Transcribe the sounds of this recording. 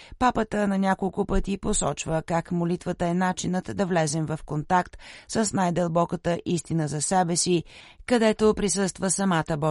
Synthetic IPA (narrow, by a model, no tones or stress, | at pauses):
papət̪ənɐnʲakolˠkʊpət̪iposɔt͡ʃvəkakmolit̪vət̪əɛnat͡ʃinət̪d̪ɐvlɛzɛmvɐfkont̪akt̪səsnajd̪əlˠbɔkət̪əʔist̪inəzɐsɛbɛsikɐd̪ɛt̪opɾisɤst̪vəsɐmat̪əbɔ